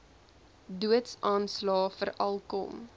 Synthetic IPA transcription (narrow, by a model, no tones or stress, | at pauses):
duətsɑːnslɑːfərʔɐlˠkɔ̰m